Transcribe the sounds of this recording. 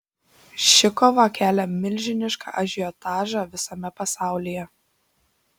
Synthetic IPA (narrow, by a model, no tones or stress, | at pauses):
ʃʲɪkɔʋɐkʲæːlʲɛmʲɪlʲʒʲɪnʲɪʃkɑ̰ʔɐʒʲɪɔt̪ɑːʒɑʋʲɪsɐmʲɛpɐsɑˑʊlʲijɛ